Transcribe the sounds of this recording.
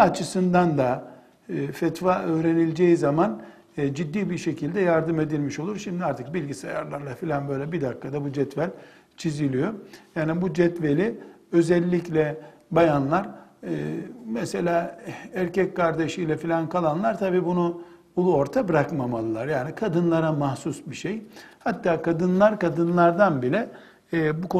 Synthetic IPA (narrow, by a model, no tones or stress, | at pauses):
at͡ʃʰɯsɯnd̪and̪aː | fɛt̪vaːʔøːɾe̞nilʲd͡ʒejizamanː | d͡ʒid̪ːiːbiɾʃe̞cʰilʲd̪ɛjaɾd̪ɯme̞d̪ilʲmiʃo̞lˠuɾʃimd̪iaɾt̪ʰɯ̥k̚bilʲɟisajaɾlˠaɾlˠafilʲanbø̞jlʲɛbid̪akːad̪abud͡ʒɛt̪vælʲ | t͡ʃʰizilʲijo̞jaːnibud͡ʒɛt̪ve̞lʲi | ø̞zɛlʲːiclʲɛbajanlˠaɾ | mɛse̞lʲaːæɾcɛckaɾd̪e̞ʃijlʲɛfilʲankʰalˠanlˠaɾt̪ʰabiːbunu | ulˠuo̞ɾt̪ʰabɾakmamalˠɯlˠaɾjaːnikʰad̪ɯnlˠaɾamahsusbiʃejhat̪ːaːkʰad̪ɯnlˠaɾkad̪ɯnlˠaɾd̪anbilʲɛː | bukʰo